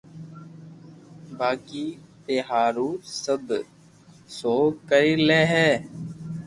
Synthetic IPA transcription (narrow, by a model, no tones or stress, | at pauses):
baːkiːt̪eɦaːɾuːsəb | soːkəɾiːleːɦɛː